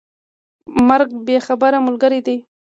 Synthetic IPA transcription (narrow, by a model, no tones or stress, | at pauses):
maɾɡ̚bexabaɾamʊlɡaɾid̪aj